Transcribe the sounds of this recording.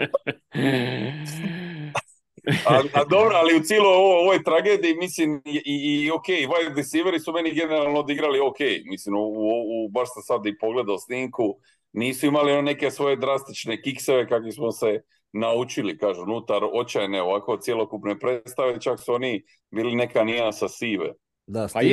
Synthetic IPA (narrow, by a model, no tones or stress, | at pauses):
ad̪o̞bɾoaliut̪sjiːloooʋojt̪ɾaɡe̞ːd̪iːmislimiio̞keiajd̪isiʋeɾisume̞niɡe̞ne̞ɾalˠnod̪iɡɾaliokejmislimuuoubaɾsasad̪ipo̞ɡle̞d̪aosniːŋku | niːsuimalionone̞ke̞sʋo̞je̞d̪ɾast̪it͡ʃne̞kikseʋe̞kakʋismose̞ | naut͡ʃilikaːʒuunut̪aɾo̞t͡ʃajneo̞ʋako̞t̪sjelokupnepɾe̞t̪st̪aʋe̞t͡ʃaksuo̞ni | biːline̞kaniasasiːʋḛ